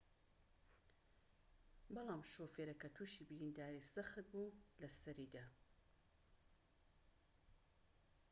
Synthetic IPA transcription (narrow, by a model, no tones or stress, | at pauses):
bɑlˠaːmʃoːfeːɾɐkɐt̪ʰuːʃiːbiɾiːnd̪aːɾisɨxɨt̪̚bulɐsɐɾid̪aː